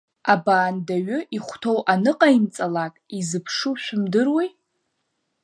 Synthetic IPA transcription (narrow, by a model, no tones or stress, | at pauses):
abaːndaɥʊʔiχʷtʰowʔanɨqʼaint͡sʼalakʼizɨpʰʂuʃʷᶣʊmdɨrwi